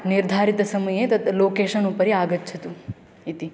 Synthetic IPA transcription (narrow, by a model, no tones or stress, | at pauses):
niɾd̪ʱaɾit̪səməjet̪ət̪lokeʃənupəɾiaɡət̪t͡ʃʰət̪ũ | it̪i